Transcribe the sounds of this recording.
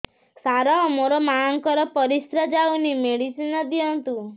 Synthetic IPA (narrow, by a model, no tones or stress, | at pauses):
saɾɔmoɾɔmaɔŋkɔɾɔpɔɾisɾad͡ʒawnimeɽisinɔd̪iɔnt̪u